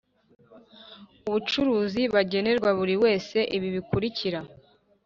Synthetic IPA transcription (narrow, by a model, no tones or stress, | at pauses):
uβut͡ʃuɾuːziβaɟe̞ne̞ɾɡwaβuɾiwe̞ːse̞ʔiβiβikuɾiciɾa